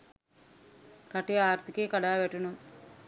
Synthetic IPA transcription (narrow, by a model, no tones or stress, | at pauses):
raʈejaːɾt̪ikeːkaɽaːʋæʈunum